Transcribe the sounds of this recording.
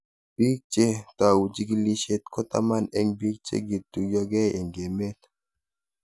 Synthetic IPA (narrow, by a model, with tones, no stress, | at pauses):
b̥i˦k̚t͡ʃe˦ta˨wu˨d͡ʒi˦ɡi˦li˦ʃe˦tkɔ˦ta̰˦ma˦nɛ˦ŋbi˦k̚t͡ʃḛ˦ɡi˨tu˨ɡɔ˦ɡɛ˦e˨ŋɡe˨me˦t